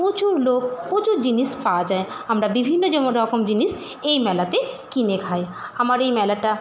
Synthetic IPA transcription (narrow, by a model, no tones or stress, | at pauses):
pot͡ʃuɾlok̚pot͡ʃuɾd͡ʒinispad͡ʒae | əmɾabibʱinːod͡ʒɔmoɾɔkɔmd͡ʒinis | ejmɛlat̪ekinekʰaeəmaɾejmɛlaʈa